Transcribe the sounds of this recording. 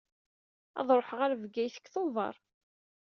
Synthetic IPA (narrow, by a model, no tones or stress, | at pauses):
ɑ̰ðˤɾˤoħʁaɾvɡæjθə̥kːθoðˤɑ̰ɾˤ